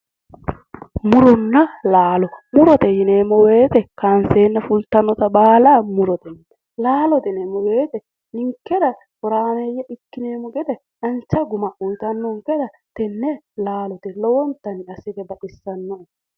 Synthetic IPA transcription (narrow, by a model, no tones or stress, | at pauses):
mʊɾɔnːɐlaːlɔmʊɾɔt̪ɛjɪneːmːɔweːt̪ɛkaːnseːnːɐfʊlt̪ːɐnːɔt̪ɐbaːlamʊɾɔt̪ɛn | laːlɔt̪ɛnɛmɔwe̞ːt̪ɛ | nɪŋkːɛd̪ɐ | kɔɾaːmɛjːɛʔɪkːɪneːmːɔɡɛd̪ɛ | ɐnt͡ʃːɐɡʊmɐʔʊjt̪ɐnːɔŋkɛd̪ɐ | t̪ɛnːɛlaːlɔt̪ɛlɔwɔnt̪ːɐnɪɐsɪt̪ɛbɐɗɪsːɐnːɔʔ